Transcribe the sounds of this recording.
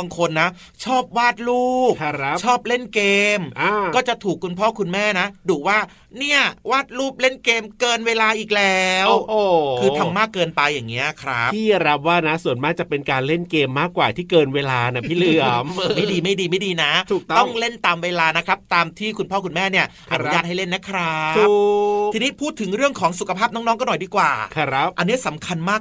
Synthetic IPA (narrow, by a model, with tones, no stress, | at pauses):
a˧ŋkʰo˧nːa˦˥ | t͡ɕʰɔː˥˩p̚waː˥˩t̪̚luː˥˩p̚t͡ɕʰɔː˥˩p̚le˥˩nkeː˧mʔa˧kɔː˥˩t͡ɕa˨˩t̪ʰuː˨˩kʰːu˧npʰɔː˥˩kʰu˧nmɛː˥˩na˦˥duː˨˩waː˥˩ | ni˥˩ɐwaː˥˩t̪̚luː˥˩p̚le˥˩nkeː˧mkɤː˧nweː˧laː˧ʔiː˨˩k̚lɛː˦˥wo˨˩kʰɯː˧a˧mːaː˥˩kːɤː˧npa˧jːaː˨˩ŋːi˦˥ɐkʰɾa˦˥p̪ʰiː˥˩ɾa˦˥p̚waː˥˩na˦˥su˨˩ənmaː˥˩k̚t͡ɕa˨˩pe˧nkaː˧nle˥˩nkeː˧mːaː˥˩kːwaː˨˩t̪ʰiː˥˩kɤː˧nweː˧laː˧na˦˩pʰiː˥˩lɯ˩˥˩əmɤː˧˩ma˥˩diː˧ma˥˩jdiː˧ma˥˩diː˧na˦˥tʰu˨˩k̚t̪ɔ˥˩ŋle˥˩nt̪aː˧mweː˧laː˧na˦˥kʰɾa˦˥p̚t̪aː˧mt̪ʰiː˥˩kʰu˧npʰɔː˥˩kʰu˧nmɛː˥˩ni˥˩ɐʔa˧˩u˦jaː˥˩t̪̚ɦa˥˩jle˥˩nːɛ˦˥kʰɾa˦˥ | i˧niː˦˥pʰuː˥˩t̪ʰːɯ˩˦ŋɾɯ˥˩əŋkʰɔː˩˦ŋsu˨˩kʰa˧pʰaː˥˩p̚nɔː˦˥ŋnɔː˦˥ŋkɔː˥˩nɔ˨˩jdiː˧˩kwaː˨˩a˦˥p̚ʔa˧nːi˦˥ɐsa˨˩˦mkʰa˧nmaː˥˩k̚